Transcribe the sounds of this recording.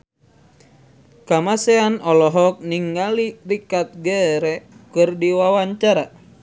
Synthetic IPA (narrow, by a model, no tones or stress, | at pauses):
kamasɛanɔlɔɦɔk̚niŋɡalirikat̪̚ɡɛɾɛkɨrdiwawaɲt͡ʃaɾa